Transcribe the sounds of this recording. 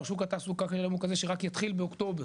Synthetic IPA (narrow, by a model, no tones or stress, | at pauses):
ʃukat̪asukakaelamukazeʃeʁakjat̪χilbeokt̪o̞be